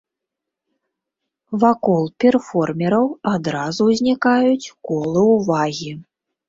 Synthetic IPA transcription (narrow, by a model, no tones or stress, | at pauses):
vakɔlˠpʲɛrfɔrmʲɛɾɐwad̪ɾazuwzʲnʲikajut͡sʲkɔlˠɨwvaɣʲi